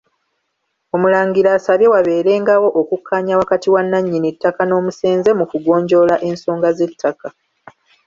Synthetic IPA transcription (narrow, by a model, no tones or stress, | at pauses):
o̞mulaːŋɡiɾaːsaβje̞waβe̞ːɾe̞ːŋɡawo̞ʔokukʰːaːɲawakatiwanːaɲːinitːakano̞ːmuse̞ːnze̞mukuɡo̞ːɲɟo̞laʔe̞nso̞ːŋɡaze̞tʰːaka